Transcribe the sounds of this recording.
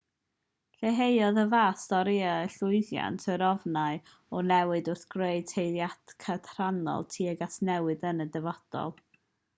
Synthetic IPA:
ɬeɦejɔðəvaːstɔɾiaəɬʊɨðja̰ntʰəɾɔvnaɨ | ɔnɛwɨdʊrθɡ̥reɨd̚tʰejðjad̥kʰatʰranɔ̰lˠtʰiːəɡasnɛwɨðənədɛvɔd̥ɔ̰lˠ

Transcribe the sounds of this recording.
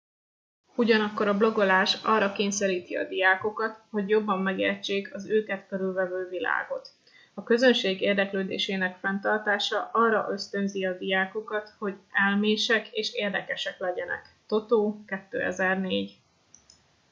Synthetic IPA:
uɟɒnɒkːo̞ɾɒblo̞ɡo̞laːʃɒrːɒkeːɲsɛɾiːt̪iɒ̰d̪ijaːko̞kɒt̪ho̞ɟjo̞bːɒmːɛɡḛːrt͡ʃːeːkʰɒzøːkɛt̪køɾylvɛvøːvila̰ːɡo̞t̪ | ɒkø̞zønʃeːɡeːrd̪ɛkløːd̪ḛːʃeːnɛkfɛnt̪ɒrt̪aːʃɒʔɒrːɒ̰ʔø̞st̪ø̞nziɒd̪ijaːko̞kɒt̪ho̞ɟɛlmeːʃɛkeːʃeːrd̪ɛkɛʃɛklɛɟɛnɛ̰kt̪o̞t̪oːkɛt̪ːø̰ːɛ̰zɛrneːɟ

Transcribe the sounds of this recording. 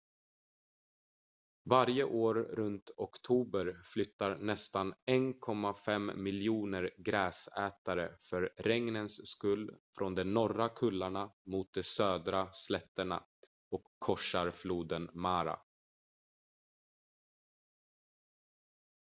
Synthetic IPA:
vaɾjəʔoːɾɾɵnt̪ɔkt̪ʰuːbəɾflʏt̪ːaɾnɛst̪anɛnkʰɔmːafɛmːɪljuːnəɾɡɾɛːsɛːt̪aɾəfœɾɾɛŋnənsskɵldfɾɔnd̪ɛnɔɾakʰɵlːaɳamuːt̪̚d̪ɛsøːd̪ɾaslɛt̪ːəɳa̰ | ɔkʰːɔʂaɾfluːd̪ənmaːɾa̰

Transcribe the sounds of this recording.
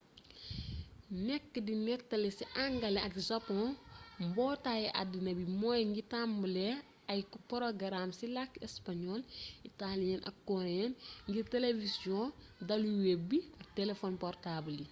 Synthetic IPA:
nɛkːədinɛtːɐlɛsiʔaŋɡɐlɛɐkzapɔ̃mbɔːtajɛʔa̰dːinɐbimɔjŋɡitambəlɛ | ɐjpɔɾɔɡɐɾamsilakːɛspaɲɔlitalijɐnʔɐ̰kkːɔɾɛnŋɡiɾtelevisjɔ̃ | dɐluwebiɐk̚tɛlefɔnpɔrtabli

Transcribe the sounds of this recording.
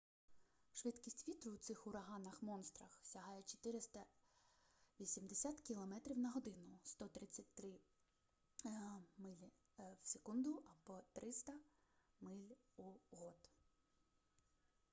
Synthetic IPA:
ʃʋɪd̪kʲisʲtʲʋʲit̪ɾʊwt̪sɪxʊɾɐɦɑnɐxmɔnst̪ɾɐxsʲɐɦɑjɛt͡ʃɔ̥t̪ɪɾɪst̪ɐ | ʋʲisʲimd̪esʲat̪kʲilˠɔmɛt̪ɾʲiwnɐɦɔd̪ɪnʊst̪ɔt̪ɾɪt͡sʲːɐtʲt̪ɾɪ | mɪlʲi | wsʲekund̪ʊɐbɔt̪ɾɪst̪ɐmɪlʲuɦɔd̪

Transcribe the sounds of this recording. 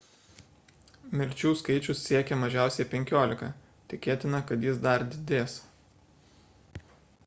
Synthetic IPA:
mʲɪɾʲt͡ʃʲuːskɐɪt͡ʃʲʊssʲiɛkʲɛmɐʒʲæˑʊsʲɛɪpʲɛŋʲkʲoːlʲɪkɐ̰ | t̪ʲɪkʲeːt̪ʲɪnɐkɐt̪jɪsd̪ɐɾd̪ʲɪd̪ʲeːs

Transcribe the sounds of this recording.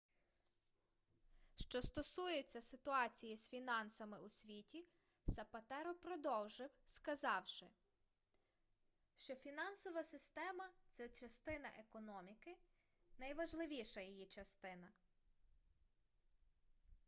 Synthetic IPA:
ʃt͡ʃɔst̪ɔsujet͡sʲːɐsɪt̪ʊɑt͡sʲijisfʲinɑnsɐmɪusʲʋʲitʲi | sɐpɐt̪ɛɾɔpɾɔd̪ɔwʒɪwskɐzɑwʃɪ | ʃt͡ʃɔfʲinɑnsɔʋɐsɪst̪ɛmɐt̪sɛt͡ʃɐst̪ɪnɐ̰ʔekɔnɔmʲikɪ | nɐjʋɐʒlˠɪʋʲiʃɐjijit͡ʃɐst̪ɪnɐ

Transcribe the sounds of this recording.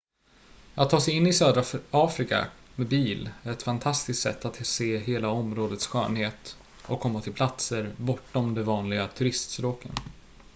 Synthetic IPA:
at̪ʰːɑːsɛjɪnːɪsøːd̪ɾaɑːfɾɪka̰mɛbiːlæɾɛt̪fant̪ʰast̪ɪst̪sɛ̰t̪ːat̪seːɦeːlaɔmɾoːd̪ət̪sɧœ̰ːnheːt̪ | ɔkʰːɔmːat̪ʰɪlpʰlat̪səɾbɔʈːɔmd̪ɛvɑːnlɪɡat̪ʰɵɾɪst̪spɾoːkʰə̰n

